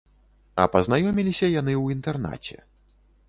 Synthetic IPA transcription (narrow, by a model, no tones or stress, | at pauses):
ɐ̰pɐznajɔmʲilʲisʲɐjan̪ɨwint̪ɛrna̰t͡sʲɛ̰